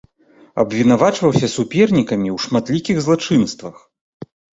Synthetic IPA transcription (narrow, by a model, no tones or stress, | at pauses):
ɐ̰bvʲinavat͡ʂvɐwsʲɐsupʲɛrnʲikɐmʲiwʂmat̪lʲikʲiɣzlˠat͡ʂɨnst̪vɐx